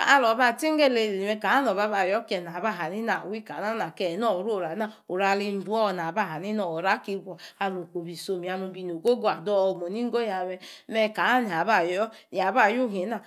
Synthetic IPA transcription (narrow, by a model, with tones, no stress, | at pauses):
a˦lɔ˨ba˦˨ti˦ŋ˦e˦˨le˧˨i˨mɛ˧ka˨a˦nɔ˨βa˧˦βa˨jɔ˦kɛ˨n˨a˨ba˦˨ɦa˨ni˦na˨wi˦ka˨a˦na˨kɛ˨nɔ˦˨ɾo˦˨ɾa˨˦na˦˨o˨ɾa˧˨li˧n̩˦du˨˦ɔ˦˧˨n˨a˨ba˦˨ɦa˨ni˦nɔ˨o˨ɾa˦ki˧ɡʷɔ˨a˧lo˨ko˨bi˨so˧mi˨a˧lu˨˧bi˧n˨o˨ɡo˦ɡo˦a˨dɔ˦˧˨mo˨ni˦ŋ̩˦ɡo˦ja˨mɛ˧mɛ˧ka˨˦n˨a˨ba˦˨jɔ˦ja˨ba˦˨ju˦ɦi˨˦na˨